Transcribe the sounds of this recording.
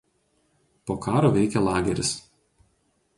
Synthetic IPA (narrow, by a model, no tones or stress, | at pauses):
poːkɑːɾoːʋʲɛɪkʲɛlˠɑːɡʲɛɾʲɪ̰s